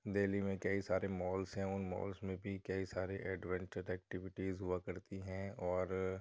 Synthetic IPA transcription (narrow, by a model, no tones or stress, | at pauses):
d̪eːlimẽkɐisaːɾemɔːlsɦɛ̃ʊnmɔ̰ːlsmẽbʱikɐisaːɾeʔɛɖʋɛ̃ːɳt͡ʃəɾɛːk̚ʈɪʋɪʈizɦʊakɐɾt̪iɦɛ̃ːɔːɾ